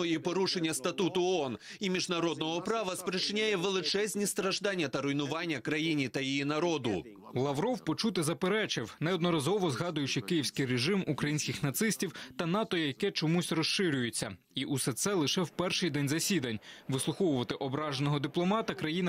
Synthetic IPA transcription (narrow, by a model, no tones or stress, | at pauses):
ɔjipɔɾuʃenʲːɐst̪ɐt̪ut̪ʊɔɔn | imʲiʒnɐɾɔd̪̚nɔɦɔpɾɑʋɐspɾɪt͡ʃɪnʲajɛʋelˠɪt͡ʃɛzʲnʲist̪ɾɐʒd̪ɑnʲːɐt̪ɐɾɔjnʊʋɑnʲːɐkɾɐjinʲit̪ɐjijinɐɾɔd̪ʊ̰ | lˠɐʋɾɔwpɔt͡ʃut̪ɪzɐpeɾɛt͡ʃɪwnɛɔd̪nɔɾɐzɔʋɔzɦɑd̪ʊjʊt͡ʃɪkɪjiwsʲkɪjreʒɪmukɾɐjinʲsʲkʲɪxnɐt̪sɪsʲtʲiwt̪ɐn̪ɑt̪ɔjjɐkɛt͡ʃɔmusʲrɔʃʃɪɾʲʊjʊt͡sʲːɐ̰ | iʔusɛt̪sɛlˠɪʃɛwpɛrʃɪjd̪ɛnʲzɐsʲid̪ɐnʲʋɪslˠʊxɔwʊʋɐt̪ɪʔɔbɾɑʒenɔɦɔd̪ɪplˠɔmɑt̪ɐkɾɐjinɐ